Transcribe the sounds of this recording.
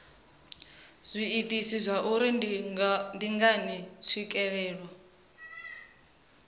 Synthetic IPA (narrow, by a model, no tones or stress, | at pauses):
z̥ʷiːtʼisizʷaʔuɾi | ndiŋɡanɛsʰʷikʼɛɺɛːɺwa